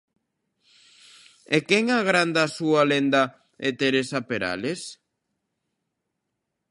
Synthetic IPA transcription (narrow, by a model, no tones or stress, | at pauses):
ekɛŋaɣɾand̪asualend̪a | et̪eɾesapeɾa̰les